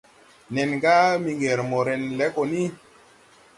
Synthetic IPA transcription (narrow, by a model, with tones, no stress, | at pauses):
nɛ˨nɡa˦mi˧ŋɡe˨ɾmo˨ɾɛ˨nlɛ˨˦ko˨ni˦